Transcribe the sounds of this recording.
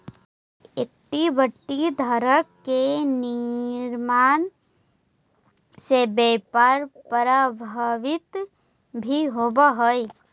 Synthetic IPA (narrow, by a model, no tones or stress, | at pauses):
ek̚ʈibəʈːid̪ʱəɾəkːeniɾmaːn | sebeːpaɾpəɾəbʱəʋɪt̪ | bʱiɦoːbaɦoe